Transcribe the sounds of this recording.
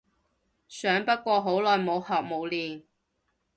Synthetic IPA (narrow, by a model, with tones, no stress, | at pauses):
sœː˨˥ŋpɐ˥t̚kʷɔː˧ɦo˨˥wlɔː˨jmo˨˧whɐ˨k̚mo˨˧wliː˨n